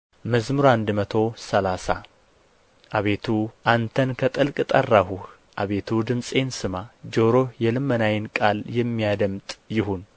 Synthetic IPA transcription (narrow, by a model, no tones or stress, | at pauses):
məzmɨɾuand̪mət̪ʰo̞səlasa̰ | ʔaβe̞t̪ʰuʔant̪ʰənkʰət̪ʼɨlkʼɨt̪ʼərːahuh | ʔaβe̞t̪ʰud̪ɨmsʼe̞nsɨmad͡ʒoɾo̞hjɛlɨmːənajɪnkʼaljɛmːijad̪əmt̪ʼjɪɦun